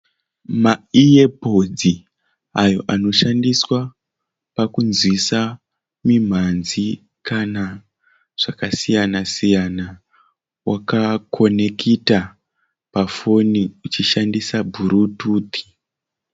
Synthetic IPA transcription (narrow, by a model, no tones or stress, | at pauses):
maiepod͡zi | ajo̞̰ʔano̞ʃandiswa | pakunzwisa | mim̤anzi | kana | ʐ̥akasijanasijana | wakakʰo̞nekʰita | pafo̞niut͡ʃiʃandisabʱuɾutuːt̪ʰi̥